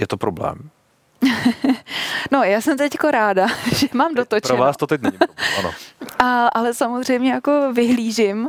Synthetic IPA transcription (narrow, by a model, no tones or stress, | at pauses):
jɛt̪opɾoblɛ̰ːm | no̞jaːsɛmt̪ɛckoɾaːdaʒ̥ɛmaːmdot̪ot͡ʃɾoɛvaːst̪ot̪ɛcnɛɲɪbano̰ʔaʔalɛsamo̞zr̝ɛjmɲɛjako̞vɪɦliːʒɪm